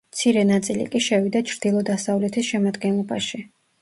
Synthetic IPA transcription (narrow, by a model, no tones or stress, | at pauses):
mt̪sʰiɾɛnat̪sʼilḭkʼiʃɛvid̪at͡ʃʰɾd̪̥ilˠɔd̪asavlɛt̪ʰisʃɛmad̪ɡɛnlˠɔba̰ʃi